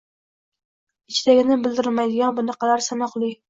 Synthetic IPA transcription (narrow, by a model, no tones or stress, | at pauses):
ɪt͡ʃʰɪd̪aɡʲɪnɪbɪld̪ɪɾɪmajd̪ɪɡʲanbʊnɨqɑlaɾsanɒχlˠɪ